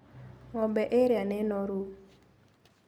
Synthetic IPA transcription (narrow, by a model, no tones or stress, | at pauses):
ŋɔbɛʔeɾjanɛnɔɾu